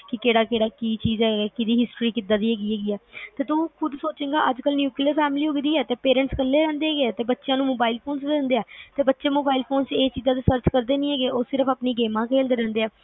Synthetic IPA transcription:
kɪkeːɽaːkeːɽaːkiːt͡ʃiːzɛːɡeːkɪd̪iːɦɪsʈɾiːkɪd̪aːd̪iːɦɛːɡiːɦɛːɡiːɛːt̪eːt̪ũːkʰʊd̪soːt͡ʃeːɡaːʔəd͡ʒkəlnjuːkliəɾpʰɛːmliːɦoːɡd̪iːɛːt̪eːpeːɾɛ̃ːɳʈskəlːeːɾɛ̃ːnd̪eːɛːɡeɛːt̪eːbətːʃjãːnũːmoːbaːɪilpʰoːnsd̪end̪eːɛːt̪eːbətːʃeːmoːbaːɪilpʰoːnseːt͡ʃiːzãːt̪eːsəɾt͡ʃkəɾd̪eːnĩːɛːɡeːʔoːsɪɾəpʰaːpniːɡeːmãːkʰeːld̪eːɾɛ̃ːnd̪eːɛː

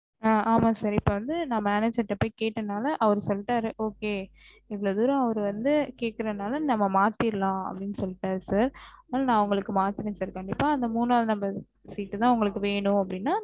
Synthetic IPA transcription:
aːaːmaːsaɾɪpːoːʋɐnd̪ɯnaːmɐːned͡ʒɐʈːɐpːoːɪkeːʈːɐnaːlɐʔɐʋɐɾɯsɔlʈːaːɾɯʔoːkeː | ɪʋɐɭɐd̪ʊːɾɐ̃ɐʋɐɾɯʋɐnd̪ɯkeːʈ̚kɪɾɐðnaːlɐnɐmːɐmaːt̪ːɪɾɯlãːɐ̰pːɐɽɪnːɯsɔlːɪʈːaːɾɯsaːɾnaːlnãːʊŋɡɐɭɯkːɯmaːt̪ːɪɾẽːnsaːɾkɐɳɖɪpːaːɐnd̪ɐmuːnaːðɯnɐmbɐ | siːʈːɯt̪ãːʊŋɡɐɭɯkːɯʋeːɳʊ̃ɐpːɐɽɪnːaː

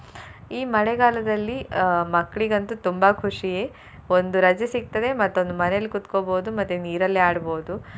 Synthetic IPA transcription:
iːmɐɽeɡaːlɐd̪ɐlːimɐkːɭiɡɐnt̪ut̪umbɐkʰuʂije | ond̪uɾɐd͡ʒɐsik̚t̪ɐd̪e̞mɐt̪ːond̪umɐnejɐlːikut̪koboːud̪umɐt̪ːuniːɾɐlːiaːɽboːd̪u

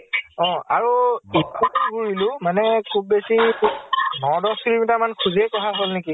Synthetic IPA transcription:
ɔ̃a̰ɹuipʰɔɡuɹilʊmanɛkʰub̚besi | nɔdɔsilimitamankʰuziɛkɔɦaɦɔlniki

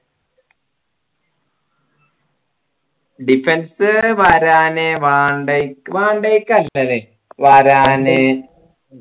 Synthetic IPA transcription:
ɖifensɨʋaːɾaːneʋaːɳɖekʋaːɳɖejkːɐlːɐle | ʋaːɾaːne

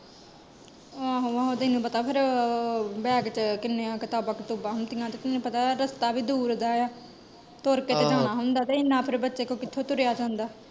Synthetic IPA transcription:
aːɦoaɦoːt̪ɪnũːpət̪aːpʰɪɾ | bɛːɡt͡ʃkɪnːeːaːkɪt̪aːbaːkɪt̪uːbaːɦnt̪ɪːãːt̪eːt̪ɪnnũːpət̪aːɾəst̪aːbiːd̪uːɾd̪aːjaː | t̪oːɾkeːt̪ed͡ʒaːɳ̃aːɦʊ̃nd̪aːt̪eːɪnːãːpʰɪɾbətːʃeːkõːkɪt̪ʰːõːt̪ʊɾejaːd͡ʒãːnd̪aː

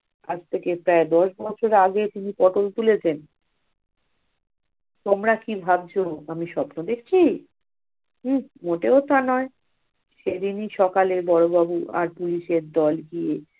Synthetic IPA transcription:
a̰d͡ʑt̪ʰekepɾaed̪ɔʃbɔt͡ɕʰoɾaɡet̪inipɔʈolt̪ulet͡ɕʰen | t̪omɾakibʱab̚t͡ɕʰoamiʃɔbnod̪ekʰt͡ɕʰi | moʈeot̪anɔe | ʃed̪iniʃɔkalebɔɾobabua̰ɾpuliʃeɾd̪ɔlɡie

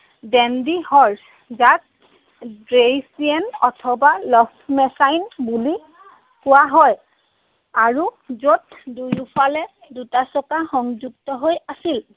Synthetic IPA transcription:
dɛndihɔɹs | zat̚ | dɹejsiɛnɔtʰɔbalɔftʰmɛsajnbuli | kʊwaɦɔj | aɹuzot̚ | dujupʰalɛ | dutasɔkaxɔŋzuɡ̚tɔɦojasil

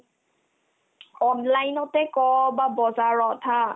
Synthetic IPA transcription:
ɔnlajnɔtɛkɔbabɔzaɹɔtʰa

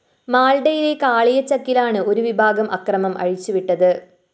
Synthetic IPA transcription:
maːlɖɐjilekaːɭijɐt͡ɕːɐkːilaːɳɨoɾuʋibʱaːɡɐmʔɐ̰krɐmɐmʔɐ̰ɻit͡ɕːɯʋiʈːɐðɨ

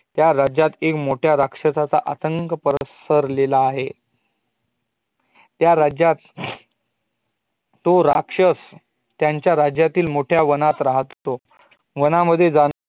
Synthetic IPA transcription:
t̪jaɾad͡ʑjat̪ekmoʈʰjaɾakʂəsat͡saʔat̪əŋkəpəɾəsəɾlelaːɦe | t̪jaɾad͡ʑjat̪ | oɾa̰kʂəs | jaɲt͡ɕjaɾad͡ʑjat̪iːlmoʈʰjaʋənat̪ɾaɦt̪ːo | ʋənaməd̪ʱːjed͡zan

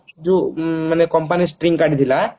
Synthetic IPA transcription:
d͡ʒumənekɔmpanisʈɾĩŋɡkaɽit̪ʰila

